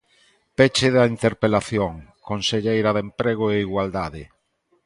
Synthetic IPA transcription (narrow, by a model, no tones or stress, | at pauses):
pet͡ʃeðaint̪eɾpelaθjoŋkonseʎejɾaðempɾeɣ̞oeiɣwald̪aðɪ